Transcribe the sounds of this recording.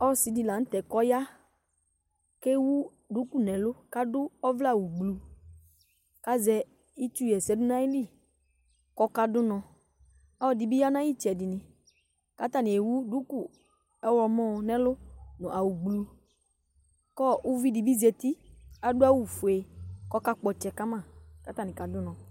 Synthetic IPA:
ɔ˦˨si˨di˨la˨n̩˦t̪ɛ˨kɔ˦ja˦ | ke˦wu˦ | du˨˦ku˦nɛ̃˨lʊ˦ka˦dʊ˦ɔ˦vla˦˨wu˨ɡ͡blu˨ | ka˦zɛ˦ | i˦t͡ʃu˦jɛ˨sɛ˨˦dʊ˦nã˦i˦li˦˨ | kɔ˦ka˦dʊ˦nɔ̃˨ | ɔ˦˨di˨bi˦ja˦nã˦ji˦˨t͡ʃɛ˨dɪ˨nɪ̃˨ | ka˨˦t̪a˦ni˨e˨wu˦du˦ku˦ | ɛ˦wɔ˧mɔ̃˦˧nɛ̃˦lʊ˦nʊ̃˨ʔa˨wu˨ɡ͡blu˧ | kɔ˦u˦vi˦di˨bi˦zɛ˧t̪i˦a˨dʊ˦a˦wu˨fu˨e˨kɔ˦ka˦k͡pɔ˨t͡ʃɛ˨ka˦mã˦˨ka˦t̪a˨ni˨ka˨dʊ˦nɔ̃˨

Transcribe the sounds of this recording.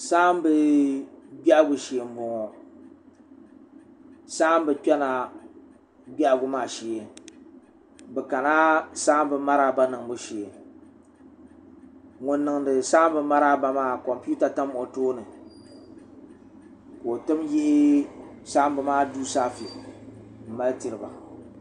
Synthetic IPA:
saː˦m˦bɨ˦ | ɡ͡ba˦ʔɡʊ˨ʃe˨m̩˨˦bo˨ŋɔ˨ | saː˦m˦bɨ˦k͡pɛ˦na˨ | ɡ͡ba˦ʔɡʊ˨maː˨ʃiː˨e˨ | bɛ˨ka˨na˦saː˦m˦bɨ˨ma˦ɾa˦ba˦nɨ˨ŋbʊ˨ʃe˨e˨ | ŋʊ˨nːɨ˨ŋdɨ˨sa˦m˦bɨ˨ma˦ɾa˦ba˨maː˦˨kɔ˨mpu˦ta˨ta˦m˨ʔʊ˨toː˦nɨ˨ | ko˨o˨tɨ˦mjɪ˦ʔɪ˦ | sa˦mbɨ˨maː˦duː˦saː˦fi˨ | m̩˨ma˦ltɨ˨ɾɨ˨ba̰˨

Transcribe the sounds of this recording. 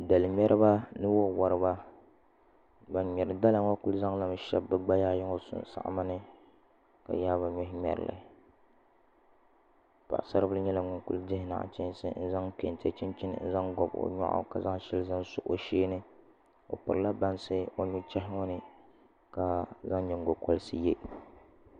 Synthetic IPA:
da˨lɨ˨mɛ˦ɾʔɨ˦ba˦nɨ˦wo˦wa˨ɾɨ˦ba˦ | ba˨nɲɛ˨ɾɨ˨da˦la˨ŋɔ˦ku˦lza˦ŋla˨m˦ʃɛ˦bːɨ˦ɡ͡ba˦jaː˦jɪ˦ŋo˦sʊ̰˦n˨sa̰˨ʔma˦nɨ˦ | ka̰˨jaː˦βa˨ɲɔ˦ɦɪ˦ɲɛ̰˨ɾɨ̰˨lɨ̰˨ | pa̰˨ʔsa˦ɾɨ˦bɨ˦ɲɛ˦la˨ŋʊ˨ŋku˦ldɪ˦hɪ˦na̰˨ʔt͡ʃɛ˦n˦sɨ̰˦n̩˦za˦ŋk͡pḛ˨n˨tɛ˦t͡ʃɪ˦nt͡ʃɪ˦n̰˦n̩˦za˦ŋɡɔ˨bo̰˨ɲa̰˦ʔa̰˦ka˨za˦ŋ˦ʃɛ˦lɨ˦za˦nsʊ˦ʔo˨ʃeː˦nɨ˦ | o̰˨pɨ˨ɾɨ˨la˦ba˦nsɨ˦o˦ɲu˦t͡ʃɛ˦ɦɪ˦ŋɔ˦nɨ˦ | ka˨za˦ŋ˦ɲɛ˨ŋ˨ɡo˨kɔ˦lɨ˦sɨ˦jɛ˦

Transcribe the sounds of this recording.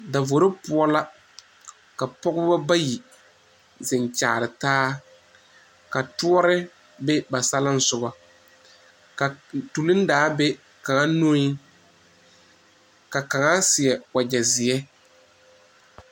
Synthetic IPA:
da˨vo˨ɾɪ˦pʊ˦ɔ˦la˦ | ka˨pɔ˦ɡʊ˦ba˦ba˦ji˨ | zɪ˨n˨t͡ʃaː˨ɾɪ˨taː˦ | ka˨tu˦ɔ˦ɾɪ˦ | bɛ˦ba˨sa˦la˦n̩˨sʊ˨ba˨ | ka˨tu˨lɨ˦n˦daː˨˦be˦ | ka˨ŋa˦no˦i˦ | ka˨ka˨ŋa˦sɪ˨ɛ˨wa˨d͡ʒɛ˨zɪ˨ɛ˦

